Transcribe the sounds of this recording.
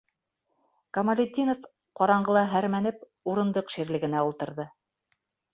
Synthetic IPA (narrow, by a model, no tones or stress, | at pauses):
kɐmɐlʲed̪ʲinof | qɒɾɑɴɢɤ̆lˠɑɦæɾmænɘp | uɾɤ̆nd̪ɤqʃiɾlɘ̆ɡɘ̆næulˠt̪ɤ̆ɾðɤ